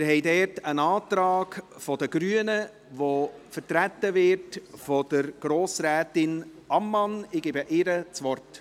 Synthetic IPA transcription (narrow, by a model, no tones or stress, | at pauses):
mɪɾɦɛɪdɛːɾtənɑːtɾɑːkfɔdəɡɾyːənə | ʋofəɾtɾætəvɪɾtfɔd̥əɾɡ̥ɾoːsɾɛːtɪn | ɑmːɑnɪɡ̥eːbəʔɪɾət͡sʋɔrt